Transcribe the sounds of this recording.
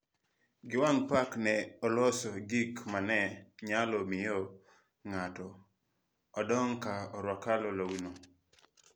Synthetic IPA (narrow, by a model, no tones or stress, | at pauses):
ɡɪwaŋpaknɛɔlɔsɔɡikmanɛɲalɔmɪjɔ | ŋatɔ | ɔdɔŋkaɔɾwakalɔlowino